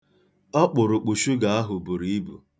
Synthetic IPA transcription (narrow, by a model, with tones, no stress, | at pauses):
ɔ˦k͡pʊ˨ɾʊ˨k͡pu˨ʃu˦ɡa˨a˦ɦʊ˨bu˨ɾi˦i˦bṵ˨